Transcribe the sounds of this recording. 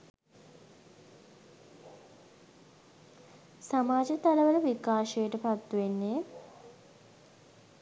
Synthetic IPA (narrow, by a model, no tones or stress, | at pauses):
samaːd͡ʒət̪aləʋələʋikaːʃəjəʈəpat̪ːuʋenːe